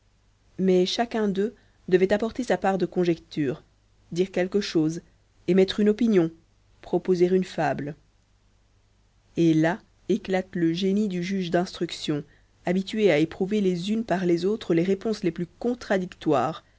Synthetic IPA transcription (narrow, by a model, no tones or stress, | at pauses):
mɛʃakɛ̃d̪ø | d̪əvɛt̪apɔʁt̪esapaʁd̪əkɔ̃ʒɛkt̪ʰyːʁ | d̪iːʁkʲɛlkəʃoːz | emɛt̪χynɔpinjɔ̃ | pχɔpozeʁynfabl | ela | eklat̪ləʒenid̪yʒyːʒd̪ɛ̃st̪χyksjɔ̃ | abit̪ɥeaepχuvelezynpaʁlezot̪χəleʁepɔ̃sleplykɔ̃t̪χad̪ikt̪wa̰ːʁ